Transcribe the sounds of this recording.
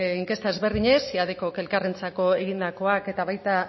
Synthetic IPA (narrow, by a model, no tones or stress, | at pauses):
iŋke̞st̪ae̞zβe̞ɾðiɲe̞siaðeko̞ke̞lkarent͡sako̞e̞ɣind̪ako̞ake̞t̪aβajt̪a